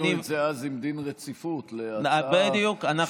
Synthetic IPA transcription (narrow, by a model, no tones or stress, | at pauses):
nizeazimd̪inʁet͡sifut̪leabed̪ijukanaχ